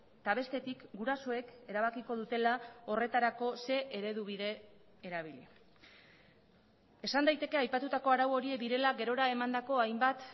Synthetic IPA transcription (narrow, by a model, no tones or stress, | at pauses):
t̪aβ̞e̞st̪e̞t̪ikɡuɾaso̞e̞ke̞ɾaβ̞akiko̞ð̞ut̪e̞lao̞re̞t̪aɾako̞se̞ʔeɾe̞ð̞uβ̞iðe̞ | eɾaβ̞ili | e̞sand̪ajt̪e̞ke̞ajpat̪ut̪ako̞aɾawo̞ɾie̞kd̪iɾe̞laɡe̞ɾo̞ɾae̞mand̪ako̞ajmbat̪